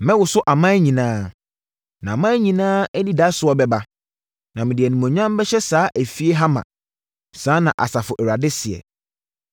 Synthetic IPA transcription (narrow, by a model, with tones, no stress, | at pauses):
mɛ̃˦wʊ˨sʊ˦ʔa˨mã˦ɲĩ˨nãː˦ | nã˨a˨mã˦ɲĩ˨nãː˦ɛ˦nĩ˦da˦sʊ˨ɔ˦bɛ˦ba˦ | nã˨mɪ̃˨dɪ˨ɛ˨nũ˨mɔ̃˨ɲᶣ˦ã˦m˦bɛ˦ɕɛ˦saː˨˦ʔæ˨fi˦e˦ɦa˦mã̰˨ | sãː˦nã˨ʔa̰˨sa˨fʊ˨ʔɛ˨ɾa˨dɪ˦sɪ˨ɛ̰˨